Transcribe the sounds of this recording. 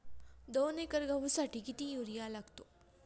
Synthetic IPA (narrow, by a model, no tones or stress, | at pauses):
d̪oːnekəɾɡɐʋusɐʈikit̪ijuɾijalɐɡt̪o